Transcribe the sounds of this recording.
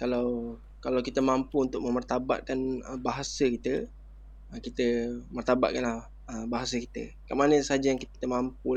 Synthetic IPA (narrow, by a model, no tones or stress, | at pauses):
kalaw | kalawkit̪əmampuunt̪ʊk̚mə̃mərt̪aba̰ʔ̪̚kanəbaɦasəkit̪ə | əkit̪əmərt̪aba̰ʔ̪̚kanlah | əbaɦas̬əkit̪ə̰ | ka̰ʔmanə̃səɦad͡ʒajaŋkit̪it̪əmamp̚u